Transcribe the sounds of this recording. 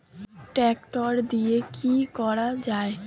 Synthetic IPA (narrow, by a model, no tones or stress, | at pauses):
ʈɛkʈɔɾd̪iekikɔɾad͡ʒaːe